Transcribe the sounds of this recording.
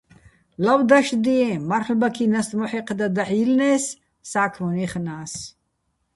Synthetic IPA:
lawd̪aʃd̪iɛmaɾħlbakʰinast̪mɔħiqʰd̪ad̪aħilnɛːsː | aːkʰmɔniχnaːs

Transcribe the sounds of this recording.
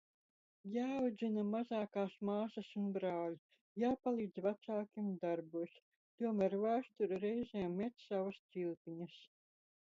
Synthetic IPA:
jaːwd̪zinamazaːkaːsmaːsɐsunbɾaːlʲ | jaːpalˠiːd̪zvat̪saːkʲimd̪aɾbuːs | t̪uɔmæːɾvaːst̪uɾɾɛjzʲeːmːɛt̪ssavɐst̪silʲˠpʲiɲɐs

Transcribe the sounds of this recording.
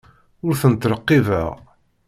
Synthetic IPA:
ʊɾθənət̪ɾəqːivə̰ʁ

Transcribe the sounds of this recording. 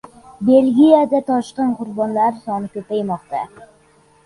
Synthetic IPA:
belɡʲijad̪at̪ʰɒʃqɨnqʰʊɾbɒnlaɾsɒnɪkʲɵpajmɒqt̪a

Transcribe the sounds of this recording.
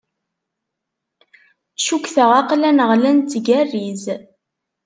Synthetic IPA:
ʃukθəʁaqlænəʁlænt͡s̪ːɡærːiz

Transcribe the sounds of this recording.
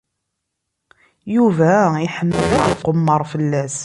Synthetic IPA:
juvæiħəmːəðæðiqːomːəɾˤfəlːæs

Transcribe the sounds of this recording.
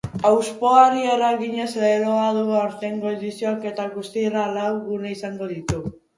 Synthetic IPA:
awspo̞aɾieɾaɣiɲe̞seeɾoaðuɣawɾt̪eŋɡo̞eðisio̞ake̞t̪aɣust̪iralawɣuneisaŋɡo̞ðit̪u

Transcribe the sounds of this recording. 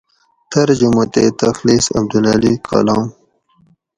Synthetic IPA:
t̪ɐɾd͡ʒumat̪et̪ɐxliːsɐ̰b̚d̪ulalikʰa̰lɑːm

